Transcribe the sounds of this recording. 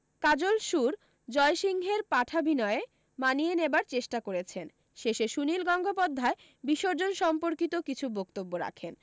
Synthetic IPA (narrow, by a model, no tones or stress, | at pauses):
kad͡ʑolʃuɾ | d͡ʑɔeʃiŋɦeɾpaʈʰabʱinɔee | manijenebaɾt͡ɕeʃʈakoɾet͡ɕʰen | ʃeʃeʃunilɡɔŋɡʱop̬ɔd̪ʱːae | biʃoɾd͡ʑonʃɔmpoɾkit̪okit͡ɕʰubokt̪obːoɾa̰kʰen